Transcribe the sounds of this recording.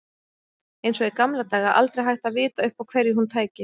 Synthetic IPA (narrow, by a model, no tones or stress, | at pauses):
ejnsɔɣɛkamlat̪aːɣaʔa̰lt̪ɾejɦajht̪aðvɪːt̪aʏhpawkʰvɛɾjɪɦunt̪ʰaːjcɪ